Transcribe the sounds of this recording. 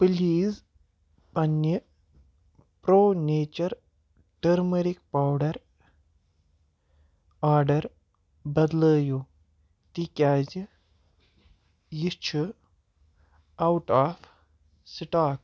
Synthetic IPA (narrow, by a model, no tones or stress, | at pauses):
pliːz | ɐnjə | pɾoːneːt͡ʃɐɾ | ʈəɾməɾik̚pawɖɐɾ | aːɾɖɐɾ | bɐd̪ləːju | t̪ikʲaːzi | jit͡ʃʰu | awʈaːfʰ | siʈaːk̚